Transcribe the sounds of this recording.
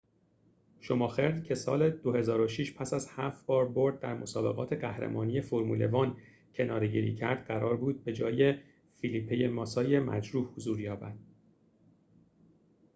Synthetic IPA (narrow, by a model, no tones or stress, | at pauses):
ʃo̞mɒːxe̞ɾd̪cʰe̞sɒ̰ːle̞d̪ohe̞zɒːɾo̞ʃiːʃpʰæsæzhæft̪bɒːɾboɾd̪̚ːæɾmo̞sɒːbe̞ɣɒːt̪ʰe̞ɢæhɾḛmʔɒːnije̞foɾmṵːle̞̰vɒːn | cʰe̞nɒːɾe̞ɟḭːɾḭcʰæɾd̪ɢæɾɒːɾbuːd̪̚be̞d͡ʒɒːje | filipʰːejemɒːsɒːje̞mæ̰d͡ʒɾuːhhozuːɾjɒːbæ̰d̪̥̚